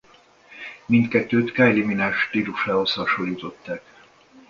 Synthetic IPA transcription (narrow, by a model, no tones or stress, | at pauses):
mint̪kɛt̪ːøːt̪kajliminaːʃt̪iɾuʃaːɦoshɒʃoljut̪o̞t̪ːaːk